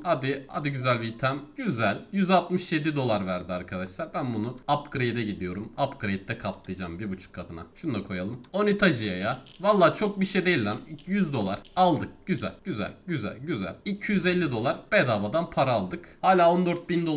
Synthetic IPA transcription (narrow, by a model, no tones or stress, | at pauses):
had̪ɪha̰d̪iɟyzælʲvit̪ʰæmɟyzælʲjyzalˠt̪mɯʃje̞d̪id̪o̞lˠaɾvæɾd̪iaɾkʰad̪aʃlˠaɾbænbunuapɡɾejd̪ɛɟid̪ijo̞ɾumapɡɾejt̪ʰːɛkʰat̪lˠɯjd͡ʒaːmbiɾbut͡ʃʰu̥kʰːad̪ɯna̰ʃund̪akʰo̞jalˠɯmonit̪ʰaʒijajavalˠːaːt͡ʃʰo̞k̚biʃed̪ejilʲd̪ænijyzd̪o̞lˠa̰ɾ̥alˠd̪ɯk̚ɟ̥yzæ̰lʲɟyzæ̰lʲɟyzæ̰lʲɟyzæ̰lʲicʰijyzɛlʲːid̪o̞lˠaɾb̥ɛd̪avad̪anpʰaɾaːlˠd̪ɯkhaːlʲaːo̞nd̪øɾt̪̚bind̪o